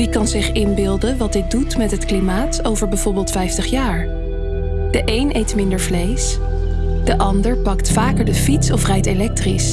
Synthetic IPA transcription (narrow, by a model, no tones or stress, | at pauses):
ʋikɑnzɪχɪnbɪlˠdənʋɑd̚dɪk̚dutmɛtɦətklimaːtowvəɹbɛjv̥ɔɹbɪːlˠtfɛjftəχjaːɹ | d̥əʔejnʔejtmɪndəɹvlejs | d̥əʔɑndəɹpɑktfaːkəɹdəfitsɔfrɛjtelɛk̚tris